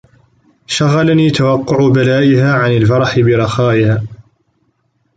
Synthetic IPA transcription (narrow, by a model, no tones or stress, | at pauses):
ʃaɣːalaniːt̪awɑqːʊʕbalaːʔɪhaːʕanɪlfɑɾˤɑħbɪɾˤɑxaːʔɪhaː